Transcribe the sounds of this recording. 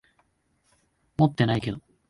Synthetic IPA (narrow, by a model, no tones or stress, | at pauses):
mot̪ːe̞najke̞d̪o